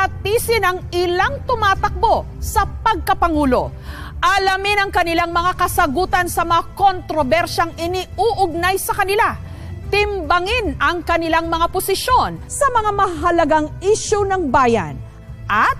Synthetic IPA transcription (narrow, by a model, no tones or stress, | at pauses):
ɐt̪iːsɪnɐŋɪlaŋt̪ʊmaːt̪ɐk̚bo̞ | sɐpɐɡ̚kɐpɐŋuːlo̞̰ | ʔɐlɐmɪnɐŋkɐnɪlaŋmɐŋakɐsɐɡuːt̪ɐnsɐmɐŋakont̪ɾobɛɾʃɐŋʔɪniʔuʔʊɡ̚najsɐkɐnɪla | t̪ɪmbɐŋɪnɐŋkɐnɪlaŋmɐŋaposɪʃo̞nsɐmɐŋamɐhaɦɐlɐɡaŋʔiʃonɐŋbaːjɐ̰n | ʔɐt̪̚